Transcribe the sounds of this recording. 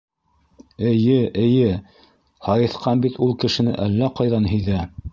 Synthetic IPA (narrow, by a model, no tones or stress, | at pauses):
ɘ̆jɘʔɘ̆jɘ | hɑjɤ̆θqɑnbit̪ulˠkɘ̆ʃɘ̆nɘʔælːæqɑjðɑnɦɵ̆jðæ